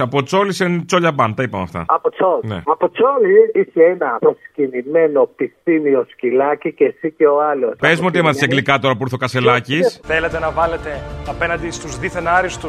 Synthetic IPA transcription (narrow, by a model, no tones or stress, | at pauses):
ɐpo̞t͡so̞lisent͡soʎɐbɐnt̪ɐipɐmeɐ̰ft̪ɐ̰ɐpot͡solnḛɐpot͡soliiseenɐpɾoscinime̞no̞pistimio̞scilɐcicesiceo̞alospe̞zmeo̞t̪iemɐθeseɡlikɐt̪o̞ɾɐpuɾθokɐse̞lɐcisθe̞le̞t̪e̞nɐvɐle̞t̪e̞ɐpe̞nɐnd̪ist̪uzðiθenɐɾist̪u